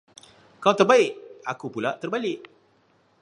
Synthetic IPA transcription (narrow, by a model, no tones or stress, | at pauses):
kaat̪ərbaɪʔakupulaʔt̪ərbalɪʔ